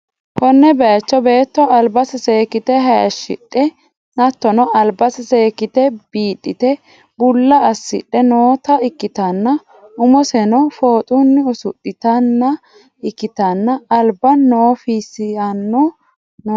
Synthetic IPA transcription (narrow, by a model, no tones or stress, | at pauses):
hɔnːɛbɛjɐt͡ʃːɔbe̞ːt̪ːɔɐlbɐsɪseːkɪt̪ɛɦɐɐʃːɪ̰ᶑːɛ | nɐt̪ːɔnɔʔɐlbɐsɪseːkɪt̪ɛb̥iːᶑʼːɪt̪ɛ | bʊlːɐːsːɪ̰ᶑɛnoːt̪ɐɪkːɪt̪ɐnːɐ | ʊmɔsɛnɔfo̞ːt̪ʼunːɪʊsʊtːɪt̪ɐnːɐ | ɪkːɪt̪ɐnːɐːlbɐːoːfisɪɐnːɔ | no